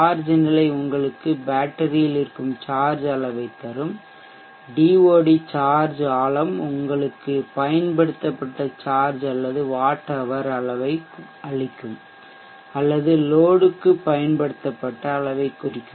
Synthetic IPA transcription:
aːɾd͡ʒɯnɪlɐɪʊŋɡɐɭɯkːɯbaːʈːɐɾɪjɪlɪɾɯkːɯmt͡ʃaːɾd͡ʒɐɭɐʋɐɪt̪ːɐɾɯm | ɖiːʋoːɽit͡ʃaːɾd͡ʒaːɭɐmʊŋɡɐɭɯkːɯpɐjɐnpɐɽɯt̪ːɐpːɐʈːɐt͡ʃaːɾd͡ʒɐlːɐðɯʋaːʈːɐʋɐɾɐɭɐʋɐɪ | ɐɭɪkːɯm | ɐlːɐðɯloːɽɯkːɯpːɐjɐnpɐɽɯt̪ːɐpːɐʈːɐːɭɐʋɐɪkːʊrɪkːɯm

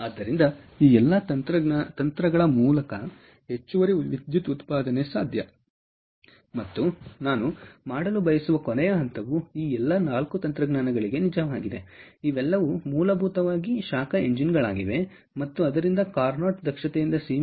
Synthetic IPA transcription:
ad̪ːɐɾind̪ɐiːɛlːɐɐt̪ɾɐt̪ɐnt̪ɾɐɡɐɭɐmuːlɐkɐ | ɦe̞t͡ʃːuʋɐɾiʋid̪jut̪ut̪paːd̪ɐnesaːd̪ʱjɐ̰ | mɐt̪ːunaːnumaːɽɐlubɐjɐsuʋɐkɔnɛjɐɦɐnt̪ɐʋuiːɛlːɐnaːlkut̪ɐnt̪ɾɐɡnaːnɐɡɐɭiɡe̞nid͡ʒɐʋaːɡid̪eiʋɛlːɐʋumuːlɐbʱuːt̪ɐʋaːɡiʃaːkɐe̞ɲd͡ʒinɡɐɭaːɡiʋe̞ | mɐt̪ːuɐd̪ɐɾind̪ɐkaːɾnaːʈd̪ɐkʂɐt̪ejind̪ɐsiː

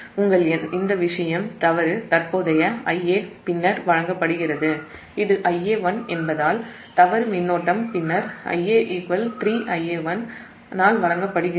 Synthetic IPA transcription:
ʊŋɡɐɭɪnd̪ɐʋɪʂɐjɐmt̪ɐʋɐɾɯt̪ɐɾpoːðɐjɐɐjeːpɪnːɐɾʋɐɻɐŋɡɐpːɐɽɯɣɪrɐðɯ | ɪðɯʔɐjeːʋɐnɛnbɐðaːl | t̪ɐʋɐɾmɪnːoːʈːɐmpɪnːɐɾʔɐ̰jeːʔɪkʋɐlt̪ɾiːʔɐjeːʋɐn | naːlʋɐɻɐŋɡɐpːɐɽɯɣɪ

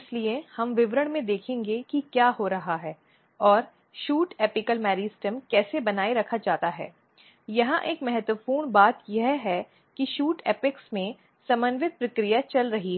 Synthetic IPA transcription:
ɪsliehɐmʋɪʋɾəɽ̃mẽd̪eːkʰẽːŋɡekikjaːɦoɾɐɦaɦɛː | ɔːɾ | ʃuːʈeːpɪkəlmɛːɾiːsʈəmkɛːsebɐnaːeɾɐkʰad͡ʒaːt̪aɦɛ̰ː | jɐɦãʔeːkmɛɦɛt̪wəpuːɳ̃baːt̪jɐɦɦɛ | kiʃuːʈeːpɪksmẽ | sɐmənʋɪt̪̚pɾɐkɾijat͡ʃɐlɾɐɦiɦɛ

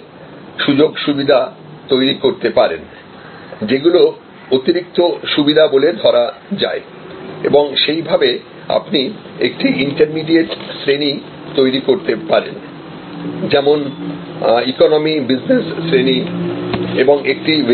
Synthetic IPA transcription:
ʃud͡ʑoɡʃubid̪ʱa | t̪ojɾikoɾt̪epaɾen | d͡ʑeɡulo | ot̪iɾik̚t̪oʃubid̪ʱaboled̪ʱɔɾad͡ʑa̰e | ḛboŋʃejbʱabe | a̰pniek̚ʈiiɳʈaɾmiɖieʈsɾeni | t̪ojɾikoɾt̪epaɾen | d͡ʑɛmon | ikonomibid͡ʑnesːɾeni | eboŋek̚ʈiv

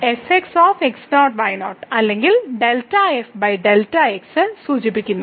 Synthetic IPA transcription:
eseksoːfeksnoːʈ̚bɐjnoːʈɐlːe̞ŋɡilɖe̞ltːɐefbɐjɖeltɐeksɨsuːt͡ɕip̬ːikʲːunːu

